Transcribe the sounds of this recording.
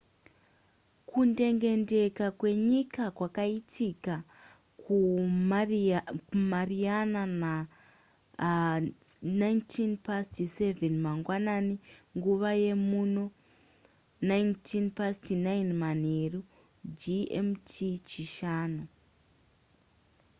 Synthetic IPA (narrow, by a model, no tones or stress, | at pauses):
kʰunde̞ŋɡe̞nde̞kakwe̞ɲikakwakaitʰika | ku | marianana | najntʰinpastiseve̞nmaŋɡwananiŋɡuʋaje̞muno̞ | najntʰinpastinainmaneru | d͡ʒiḛmtʰit͡ʃiʃaːnu